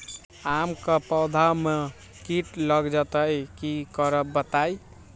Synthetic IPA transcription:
amkəpɔwd̪ʱame | kiʈlʌɡd͡ʒət̪əjkikʌɾəbət̪aj

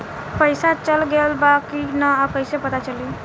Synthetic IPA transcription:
pəjsat͡ʃəlɡelbakinəab̚kəjsepət̪at͡ʃəli

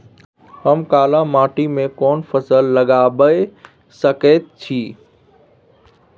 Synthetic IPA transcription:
həmkaːlãmaːʈimẽkɔːnpʰəsəlːəɡaːbəe | səkət̪̚t͡ʃʰiː

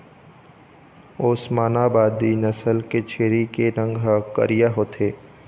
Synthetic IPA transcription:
oːsmaːnaːbaːd̪inəsəlket͡ʃʰeːɾikeɾə̃ŋɡʱɦakə̰ɾijaɦoːt̪ʰeː

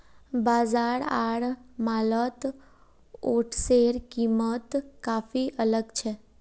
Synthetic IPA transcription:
bazaɽa̰ɽmalət̪ | oʈʰseɾkimət̪kafiʔələɡt͡ʃʰe

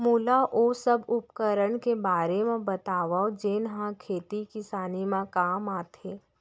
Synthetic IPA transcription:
muːlaʔoːsəbʊpkəɾəɽ̃kebaːɾemẽbɐt̪aːʋaod͡ʒeːnɦãkʰeːt̪ikɪsaːnimãkaːmaːt̪ʰeː

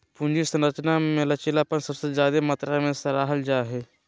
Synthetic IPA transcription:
pũnd͡ʒisɐ̃nɾət͡ʃnamẽlɐt͡ʃelaːpənsɐbsezjaːd̪emat̪ɾamẽsɐɾaːɦəld͡ʒaːɦeː

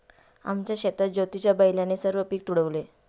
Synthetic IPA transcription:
a̰mt͡ɕjaɕet̪at̪̚d͡ʑəwt̪it͡ɕjabəjljanesəɾʋəpiːk̚t̪uɽəʋle

